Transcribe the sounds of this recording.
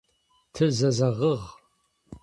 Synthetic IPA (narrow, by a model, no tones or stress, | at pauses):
tʰɨzɐzɐʁəʁ